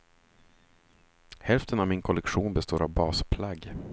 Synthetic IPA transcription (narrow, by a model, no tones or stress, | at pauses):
hɛlft̪ənavmɪnkʰɔlɛkɧuːnbɛst̪oːɾavbɑːspʰlaɡ